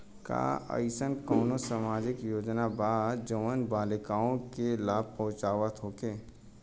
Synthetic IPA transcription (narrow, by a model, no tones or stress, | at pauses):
ka̰ːə̰ɪsənkɔːnosəmaːd͡ʒɪkjoːd͡ʒnabaːd͡ʒoʋənbaːlɪkaːõkelaːb̚ʱpəɦʊ̃t͡ʃaːʋət̪ʰoːkeː